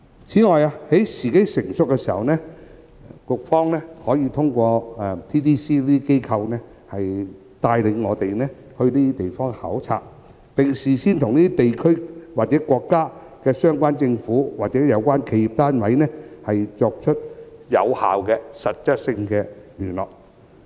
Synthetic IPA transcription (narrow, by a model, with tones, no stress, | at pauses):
t͡sʰiː˨˥ŋɔː˨ja˧he˨˥jsiː˨˩ke˨˥jsɪ˨˩ŋsʊ˨kːɛ˧siː˨˩hɐ̰˨wnɛː˥ | kʊ˧k̚fɔː˥ŋnɛː˥hɔː˨˥jiː˧t̪ʰʊ˥ŋkʷɔː˧ɛ˨˧t̪ʰiː˥t̪ʰiː˥siː˥liː˥i˥ke˥jkʰɐ˧wnɛ˥ | hɐ˨j | t̪aː˧jlɪ˨˧ŋŋɔː˨˧t̪e˨jnɛː˥ | hɵ˧ɥniː˥i˥t̪e˨jfɔː˥ŋhaː˨˥wt͡sʰa̰ː˧t̚ | pɪ˨ŋsiː˨˩siː˥nt̪ʰʊ˨˩ŋniː˥t̪i˥t̪e˨jkʰɵ˥waː˨k̚t͡sɛ˨˥kʷɔː˧kːaː˥ | kɛː˧sœː˥ŋkʷaː˥nt͡sɪ˧ŋfuː˨˥waː˨k̚t͡sɛː˨˥jɐ˨˧wkʷaː˥nkʰe˨˧ji˨˩p̚t̪aː˥nwɐ˨˥jnɛː˥hɐ˨jt͡sɔː˧k̚t͡ʃʰɵ˥t̚jɐ̰˨˧wha̰ː˨wkɛ˧sɐ˨t̚t͡sɐ˥t̚sɪ˧ŋkɛː˧lyː˨˩nlɔ̰ː˨˩k̚